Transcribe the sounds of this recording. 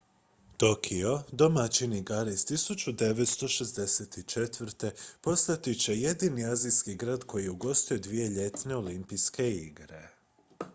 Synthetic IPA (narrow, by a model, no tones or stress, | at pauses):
t̪o̞kʰio̞d̪omat͡ɕiniɡaɾist̪isut͡ɕud̪e̞ʋe̞t̪st̪o̞ʃe̞zd̪e̞set̪it͡ʃe̞t̪ʋɾt̪e̞po̞st̪at̪it͡ɕe̞je̞d̪iːniazijskiɡɾaːd̪ko̞jieuɡo̞st̪uje̞d̪ʋije̞ʎe̞t̪ne̞o̞limpijske̞iɡɾe̞̰